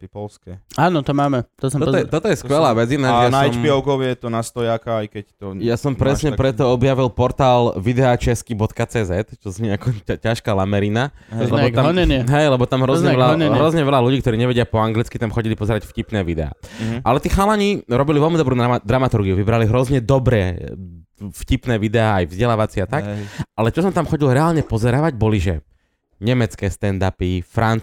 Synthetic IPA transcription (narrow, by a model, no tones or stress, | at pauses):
ppɔlskɛaːnɔt̪ɔmaːmɛt̪ɔsɔɔɔjɛt̪ɔt̪ɔjɛskʋɛlaːʋɛd͡zinajanajɔmpɪɔʊkɔʋjɛjɛt̪ɔnast̪ɔjaːkaajkɛct̪ɔjasɔmpɾɛsɲɛpɾɛt̪ɔɔbjaʋilpɔɾt̪aːlʋid̪ɛat͡ʃɛskibɔt̪kat͡sɛːzɛt̪t͡ʃɔzɲɛakɔcaʃkalamɛɾina | lɛbɔt̪aɦɛjlɛbɔt̪amɦɾɔzɲɛɛlaɦɾɔzɲɛʋɛlaluɟiːk̚t̪ɔɾiːɲɛʋɛɟɪapɔaŋɡlit͡skit̪amxɔɟilipɔzɛɾacfcipnɛːʋid̪ɛa̰ːʔalɛt̪iːxalaɲiɾɔbiliʋɛlmid̪ɔbɾuːd̪ɾamat̪uɾɡiuʋibɾaliɦɾɔzɲɛd̪ɔbɾɛ̰ː | fcipnɛːʋid̪ɛaːajvzɟɛlaːʋat͡siat̪akʔalɛt͡ʃɔsɔmt̪amxɔɟilɾɛalɲɛpɔzɛɾaːʋaɟbɔliʒɛ | ɲɛmɛt͡skɛːst̪ɛnd̪apifɾan